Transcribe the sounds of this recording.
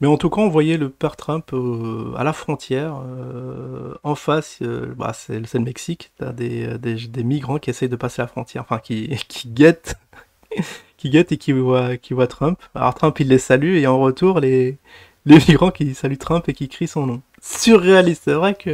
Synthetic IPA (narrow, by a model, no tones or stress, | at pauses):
mɛɑ̃t̪ukaɔ̃vwajɛləpɛʁt̪χœ̃poa̰lafχɔ̃t̪jɛʁø | ɑ̃fasø̰ba̰sɛ̰ləsɛlmɛksikt̪a̰d̪eød̪eʒad̪emiɡʁɑ̃kʲiesɛjd̪əpasealafχɔ̃t̪jɛ̰ʁɑ̃fɛ̃kʲikʲʰi̥ɡat̪ | kʲiɡɛt̪ekʲʰivwakʲivwat̪χœ̃pa̰lɔ̰ʁt̪χɛ̃pilːesalyeɑ̃ʁət̪uʁle | lemiɡʁɑ̃kʲisalyt̪χœ̃pekʲikχisɔ̃nɔ̃ | syʁːealist̪sɛvʁɛkʰə